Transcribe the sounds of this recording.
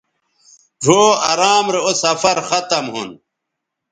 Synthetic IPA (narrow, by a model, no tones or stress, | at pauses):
ʈ͡ʂoːɐɾaːmɾeosɐfɐɾxɐt̪ɐmɦṵn